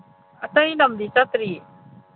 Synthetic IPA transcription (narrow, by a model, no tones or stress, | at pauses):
at̪ajnamd̪it͡ɕat̪ɾiː